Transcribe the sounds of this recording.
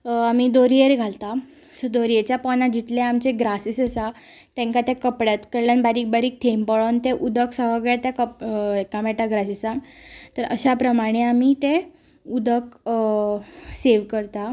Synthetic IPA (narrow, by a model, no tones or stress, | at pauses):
amid̪oɾieɾɡʱalt̪a | səd̪oɾjet͡ɕjapɔnad͡ʑit̪leamt͡ɕeɡɾasisəsa | t̪ɛ̃ŋkat̪jɛkəpɽjat̪kəɾljanbaɾiːk̚baɾiːk̚t̪ʰempəɭont̪eʔud̪əksəɦəɡɭat̪jakəekamɛʈaɡɾasisãŋt̪əɾəɕapɾəmaɽ̃eamit̪e | ud̪ək | seʋkəɾt̪a